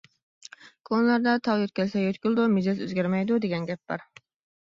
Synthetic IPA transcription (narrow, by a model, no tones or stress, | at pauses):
kʰonlˠɑɾd̪ɑt̪ʰɑʁøt̪kʲʰɛlsɛjøt̪kʲylˠd̪umed͡ʒɑzø̰zɡʲɛɾmɛjd̪ud̪eɡʲɛnɡʲɛp̚b̥ɑ̰ɾ